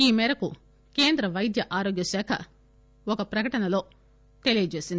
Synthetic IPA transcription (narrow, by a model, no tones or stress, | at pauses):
iːmɛːɾɐku | keːnd̪ɾɐʋɐjd̪jɐʔaːɾoːɡjɐsɛːkʰɐ̰ | ɔkɐpɾɐkɐʈɐnɐlo̞ː | t̪e̞lijɐt͡ʃe̞ːsind̪i